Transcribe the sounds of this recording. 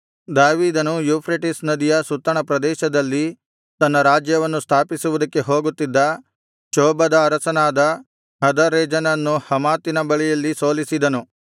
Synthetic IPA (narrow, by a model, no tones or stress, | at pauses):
d̪aːʋiːd̪ɐnujuːpʰɾeʈisnɐd̪ijɐsut̪ːɐɳɐpɾɐd̪ɛːʃɐd̪ɐlːi | t̪ɐnːɐɾaːd͡ʒjɐʋɐnːust̪ʰaːpisuʋud̪ɐkːe̞ɦo̞ːɡut̪ːid̪ːɐ | t͡ʃoːbɐd̪ɐːɾɐsɐnaːd̪ɐ | ɦɐd̪ɐɾɛːd͡ʒɐnɐnːuhɐmaːt̪ːinɐbɐɭijɐlːiso̞ːlisid̪ɐnu